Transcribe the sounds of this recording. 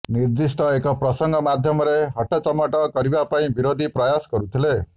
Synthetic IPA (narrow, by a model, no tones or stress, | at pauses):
niɾd̪isʈɔekɔpɾɔsɔŋɡɔmad̪ʱjɔmɔɾeɦɔʈɔt͡ʃɔmaʈɔkɔɾibapaĩbiɾod̪ʱipɾɔjasɔ̥kɔɾut̪ʰile